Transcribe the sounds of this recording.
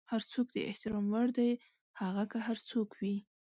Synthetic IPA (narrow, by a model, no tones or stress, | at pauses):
haɾt͡sokd̪ə̰ɪ̰ht̪ɪɾɑmwaɽd̪aj | haɣakaɦaɾt͡sokwi